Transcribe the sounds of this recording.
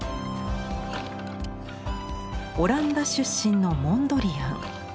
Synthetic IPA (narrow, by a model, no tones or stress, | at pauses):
o̞ɾãnd̪aɕɨɕːĩnːo̞mõ̞nd̪o̞ɾʲijã̰